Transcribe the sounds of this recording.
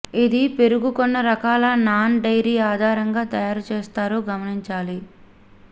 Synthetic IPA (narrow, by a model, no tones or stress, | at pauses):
id̪ipe̞ɾuɡukonːɐɾɐkaːlɐnaːnɖɐjɾiːaːd̪ʱaːɾɐŋɡaːt̪ɐjaːɾut͡ʃeːst̪aːɾoːɡɐmɐniɲt͡ʃaːli